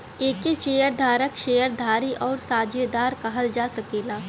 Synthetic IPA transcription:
eːkeʃeːjəɾd̪ʱaːɾəkʃeːjəɾd̪ʱaːɾiʔɔːɾsaːd͡ʒed̪aːɾkɐɦəld͡ʒaːsɐkeːlaː

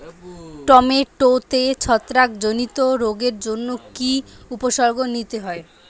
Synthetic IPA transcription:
ʈɔmeʈot̪et͡ɕʰɔt̪ːɾakd͡ʑonit̪oɾoɡeɾd͡ʑonːokiupoʃɔɾɡonit̪eɦɔe

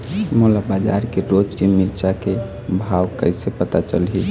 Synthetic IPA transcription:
molabad͡ʒa̰ɾkeɾod͡ʒkemiɾt͡ʃake | bʱawkəɪsepət̪at͡ʃəlɦi

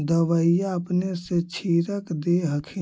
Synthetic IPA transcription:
d̪əʋəijaəpneset͡ʃʰiɾəkd̪eɦəkʰe

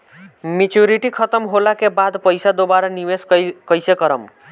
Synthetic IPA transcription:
mit͡ʃjuɾiʈikʰət̪əmɦolakebad̪pəjsad̪obaɾaniweskəjsekəɾəm

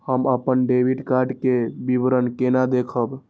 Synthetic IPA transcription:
həməpənɖebʱiɖkaɾɖkebibɾənkenad̪ekʰəb

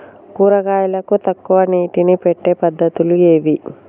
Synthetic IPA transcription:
kuːɾɐɡaːjɐlɐkut̪ɐkːuʋɐniːʈinipeʈːe̞ːpɐd̪ʱːɐt̪ulue̞ːʋi

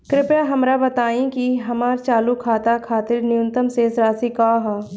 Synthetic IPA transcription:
kɾɪpjaɦɐmɾabɐt̪aːĩkiɦɐmaːɾt͡ʃaːlukʰaːt̪akʰaːt̪ɪɾnɪjʊ̃nt̪əmsesɾaːsikaːɦaː

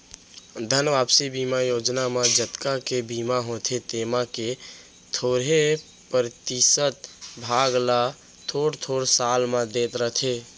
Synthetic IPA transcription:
d̪ʱənʋaːpsibiːmajoːd͡ʒnamãd͡ʒət̪kakebiːmaɦõt̪ʰet̪eːmake | t̪ʰoːɾɦe | pɾt̪isət̪bʱaɡla | t̪ʰoːɽt̪ʰoɽsalmãd̪eːt̪ɾəɦt̪ʰe

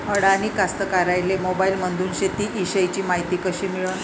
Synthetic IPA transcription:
ɦəɽanikast̪əkaɾajlemobailmənd̪ʱuːnɕet̪iːʔiɕəjt͡ɕiːmaɦit̪iːkəɕiːmiɭun

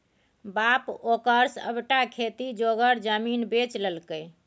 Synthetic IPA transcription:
bapokəɾsə̰bʈakʰet̪id͡ʒoɡəɾd͡ʒəminbet͡ʃləlkəj

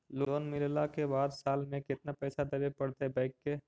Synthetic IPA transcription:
loːnmɪllakebaːd̪saːlmẽkɪt̪napɛːsad̪ɐbepəɽt̪eɦbãɪkːe

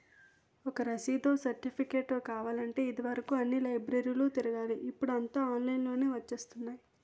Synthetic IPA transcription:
ɔkɐɾɐsiːd̪oːsɐɾʈipʰikeːʈːoːkaːʋaːlɐɳʈe̞ːid̪iʋɐɾɐkuɐnːilɐjbɾɐɾiluːt̪iɾɐɡaːliʔːpːuɽuɐnt̪aːaːnlɐjnlo̞ːneːʋɐt͡ʃːeːst̪unːaːji

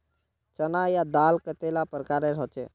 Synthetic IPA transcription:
t͡ʃənajad̪aːlkət̪elapəɾkaːɾeɾɦɔt͡ʃḛ

